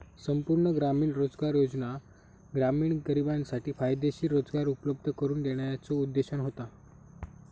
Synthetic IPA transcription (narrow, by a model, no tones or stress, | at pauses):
səmpuɾɳəɡɾamiːɳɾod͡zɡaɾjod͡zna | ɡɾamiːɳɡəɾibansaʈiːfajd̪eɕiːɾod͡zɡaɾupləb̚d̪ʱəkəɾuːnd̪eɽ̃ajat͡sɔud̪ːeɕəɳɦot̪a